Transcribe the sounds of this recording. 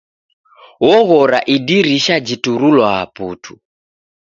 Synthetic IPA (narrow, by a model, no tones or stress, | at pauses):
wɔɣɔɾaʔidiɾiʃad͡ʒituɾulwaːpṵtʰu̥